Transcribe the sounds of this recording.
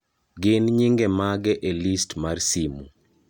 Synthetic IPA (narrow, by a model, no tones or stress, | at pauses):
ɡɪnɲiŋɡemaɡɛʔelistmarsimu